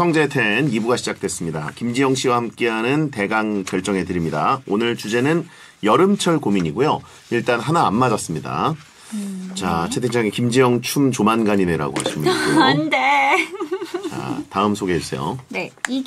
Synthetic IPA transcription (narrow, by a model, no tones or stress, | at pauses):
sʰʌŋd͡ʑe̞tʰe̞nibuɡaɕʰid͡ʑak̚t͈we̞s͈ɯmɲidakimd͡ʑijʌŋɕʰiwahamk͈e̞ɦanɯnte̞ɡaŋkjʌɭt͡ɕ͈ʌŋe̞tɯɾimɲidaonɯɭt͡ɕud͡ʑe̞nɯn | jʌɾɯmt͡ɕʰʌɭkomiɲiɡojo | iɭt͈anɦanaːmːad͡ʑʌs͈ɯmɲida̰ | t͡ɕat͡ɕʰe̞tʰed͡ʑʰaŋekimd͡ʑijʌŋt͡ɕʰumt͡ɕomanɡaɲineɾa̰ɡo̰ha̰ɕʰimɯkonde | a̰taɯmsʰoɡe̞is͈ḛjo̰ne